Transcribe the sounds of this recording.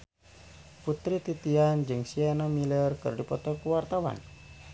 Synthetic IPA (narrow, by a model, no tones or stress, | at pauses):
put̪ɾit̪it̪iand͡ʒɨŋsianɔmilərkɨ̰rɖipɔt̪ɔkuwart̪awa̰n